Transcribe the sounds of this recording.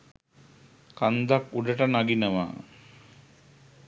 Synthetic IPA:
kand̪akuɖɐʈɐnaɡinɐʋa̰ː

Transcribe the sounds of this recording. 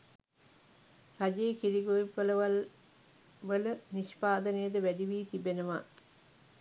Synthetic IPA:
rad͡ʒeːkiɾiɡoɾukoləʋal | ʋələniʃpaːd̪ənejəd̪əʋæɖiʋiːt̪ibenəʋa̰

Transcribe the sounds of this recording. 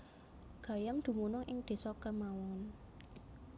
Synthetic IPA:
ɡ̥a̤jamd̪̥ṳmunɔʔɪŋd̪̥e̤sɔkəmawɔn

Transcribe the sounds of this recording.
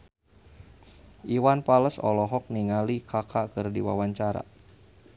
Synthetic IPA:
ʔiwanpaləsɔ̰lɔɦɔk̚niŋalikʰakʰakɨrdiwawaɲt͡ʃaɾa̰

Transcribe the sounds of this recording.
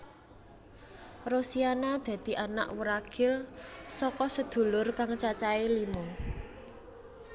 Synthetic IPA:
rosianad̪̥ä̤d̪̥i̤ʔana̰ʔwəɾaɡ̥ɪlsɔkɔsəd̪̥ṳlʊrkaŋt͡ʃat͡ʃaelimɔ

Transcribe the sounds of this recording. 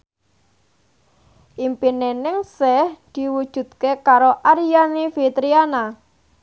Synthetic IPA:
ʔimpinenɪŋsɛhd̪̥i̤wu̥ʒ̥ṳd̪̥̚kekaɾoʔaɾijanifit̪ɾiana

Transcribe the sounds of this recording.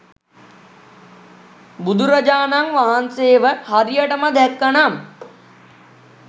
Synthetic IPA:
bud̪ʱuɾəd͡ʒaːnaŋʋaɦanseːʋəhaɾijəʈəmad̪ɛkːanam

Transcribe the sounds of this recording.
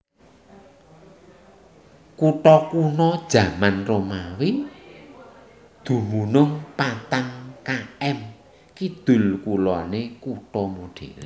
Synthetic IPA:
kuʈɔkunɔd̥ʒ̥ä̤manromawi | d̪̥ṳmunʊŋpat̪aŋkaʔɛm | kid̪̥ʊ̤lkulɔnekuʈɔmoɖ̥ɛl

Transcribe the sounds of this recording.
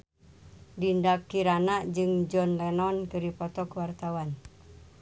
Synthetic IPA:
dindakːiɾanaʔd͡ʒɨŋd͡ʒɔnlɛnɔnkɨɾipɔt̪ɔkuwart̪awan

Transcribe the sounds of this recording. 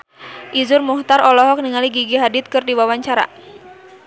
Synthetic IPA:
ʔizʊrmuht̪aɾɔlɔɦɔk̚niŋaliɡiɡiɦadɪt̪̚kɨrdiwawaɲt͡ʃaɾa̰

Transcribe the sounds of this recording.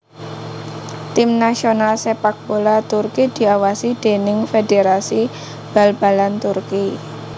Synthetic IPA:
t̪ɪmnasionalsepak̚b̥olat̪urkid̪̥i̤awasid̪̥e̤nɪŋfedeɾasi | b̥a̤lba̤lant̪urki

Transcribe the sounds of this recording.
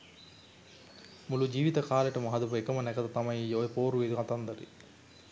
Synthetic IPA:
mulud͡ʒiːʋit̪ɐkaːlɐʈumɐɦɐd̪upɐikɐmɐnɛkɐt̪ɐt̪ɐmɐijopoːɾuʋid̪uɐt̪ɐnd̪ɐɾḭ

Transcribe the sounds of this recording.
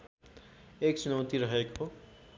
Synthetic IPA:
ek̚t͡sunʌwt̪iɾʌɦekɦo

